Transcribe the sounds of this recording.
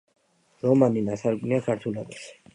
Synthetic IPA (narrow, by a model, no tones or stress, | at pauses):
ɾɔmaninasaɾɡʼniakʰaɾt̪ʰulɔbaʃ